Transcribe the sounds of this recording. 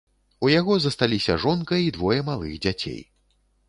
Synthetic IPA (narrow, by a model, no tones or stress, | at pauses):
ujaɣɔzɐst̪alʲisʲɐʐɔnkɐjid̪vɔjɐmalˠɨ̰ɣd͡zʲat͡sʲḛj